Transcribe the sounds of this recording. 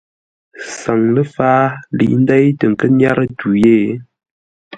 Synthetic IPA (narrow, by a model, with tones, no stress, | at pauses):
sa˨ŋlə˦faː˦lḭ˨ʔn̩˦da˦jtə˨ŋ̩˨kə˦nja˦ɾə˦tu˨je˦˨˦